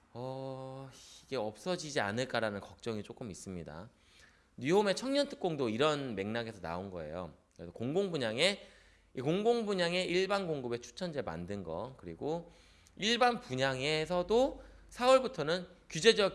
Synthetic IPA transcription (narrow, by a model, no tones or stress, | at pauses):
ʌ | iɡe̞ʌp̚s͈ʌd͡ʑid͡ʑia̰nɯɭk͈aɾanɯnkʌk̚t͡ɕ͈ʌŋit͡ɕ͈ok͈ɯmis͈ɯmɲida̰ | nɥiɦome̞t͡ɕʰʌŋɲʌntʰɯ̥k͈oŋdoiɾʌnme̞ŋnaɡe̞sʰʌna̰onɡʌ̰e̞̰jo̰kɾesʰʌkoŋɡoŋbuɲaŋe̞ | ikoŋɡoŋbuɲaŋe̞ʔiɭbanɡoŋɡɯbe̞t͡ɕʰu̥t͡ɕʰʌnd͡ʑe̞ma̰ndɯnɡʌ̰kɯɾiɡo | iɭbanpuɲaŋe̞sʰʌdosʰawʌɭbutʰʌnɯnkjud͡ʑe̞d͡ʑʌ